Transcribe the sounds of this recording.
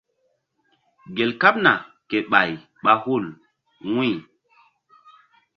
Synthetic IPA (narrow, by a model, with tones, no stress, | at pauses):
ɡe˨lka˦p̚na˨ | ke˨ɓa˨j | ɓa˦hu˦˨l | wĩ˦˨